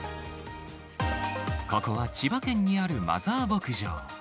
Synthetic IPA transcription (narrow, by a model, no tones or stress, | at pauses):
ko̞ko̞βat͡ɕibakẽ̞ɲ̟ːiaɾɯ̟ma̰zaːbo̞kɯ̟ʑo̰ː